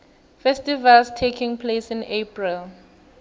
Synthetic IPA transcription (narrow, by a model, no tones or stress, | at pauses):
fɛstivalstʰekʰĩŋpʰlesĩnepʰɹil